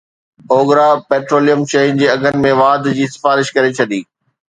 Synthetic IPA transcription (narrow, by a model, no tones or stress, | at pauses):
oːɡɾapeːʈɾoːlijəmʃɐɦind͡ʑeːɐɡʱənɪ̆mẽʋaːd̪d͡ʑiːsɪ̥faːɾɪʃkɐɾet͡ɕʰɐɗiː